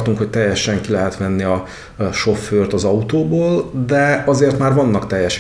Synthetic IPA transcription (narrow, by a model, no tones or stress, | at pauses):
t̪uŋkho̞c̚t̪ɛjːɛʃɛŋkilɛɦɛt̪mɛnːiɒ | ʃo̞fːøːrt̪ɒzɒut̪oːboːld̪ɛɒzeːrt̪maːrvɒnːɒkt̪ɛjːɛʃ